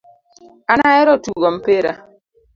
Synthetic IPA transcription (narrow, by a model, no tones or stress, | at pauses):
anaɛɾɔtuɡɔm̩peɾa